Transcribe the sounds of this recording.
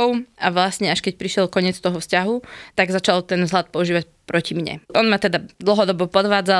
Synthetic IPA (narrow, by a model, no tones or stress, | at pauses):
ɔʊaʋlasɲɛaʃkɛc̚pɾiʃɪɛlkɔɲɪɛt͡st̪ɔɦɔfscaɦut̪aɡzat͡ʃalt̪ɛnvzɦlat̪̚pɔuʒiːʋac̚ | pɾɔcimɲɛ̰ʔɔnmat̪ɛd̪ad̪l̩ˠɦɔd̪ɔbɔpɔd̪ʋaːd͡za